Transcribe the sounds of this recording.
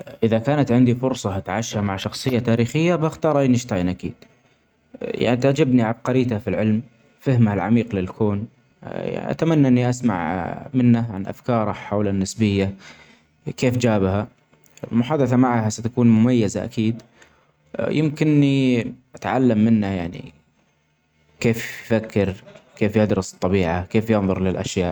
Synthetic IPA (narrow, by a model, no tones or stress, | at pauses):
ʔɪðakaːnat̪ʕɪnd̪ifʊɾsˤɑhat̪ʕaʃhamaʕʃɑxsˤɨjːat̪aːɾiːxɪjːabaxt̪ɑːɾˤʔajnɪʃt̪anʔakḭːd̪̥ | ja̰ʕnit̪aʕd͡ʒabniʕab̚qɑɾiːt̪afilʕɪlm | fɪhmahalʕa̰miːqlɪlkʰoːn | ja̰ʔa̰t̪amanːaʔɪnːiʔasma̰ʕmɪnːaʕanʔa̰fkɑːɾˤɑħawlanːɪsbɪjːa | keːfd͡ʒaːbha | mʊħaːd̪aθamaʕhasat̪akuːnmʊmajːazaʔa̰kiːd̪ | jɪmkɪnːiʔat̪ʕalːamːɪnːajaʕnḭ | keːfjfakʰːɪɾkeːfjɪd̪ɾɨsɨ̥t̪ˤːɑbiːʕakeːfjɪnðˤʊɾˤlɪlʔa̰ʃjaːʔ